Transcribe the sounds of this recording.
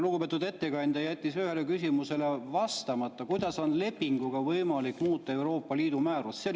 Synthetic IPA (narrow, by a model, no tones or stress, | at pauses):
luɡupe̞ːt̪ud̪e̞t̪ːe̞kɑjnʲd̪̥ɑjæt̪ʲːisyhe̞lekysʲimuse̞le̞vɑst̪ɑmɑt̪ˑːɑkujd̪̥ɑso̞nle̞pːiŋɡ̥uɡ̥ɑvɤjmɑlikːmuːt̪ˑːɑe̞wɾo̞ːpːˑɑliːd̪umæːɾusse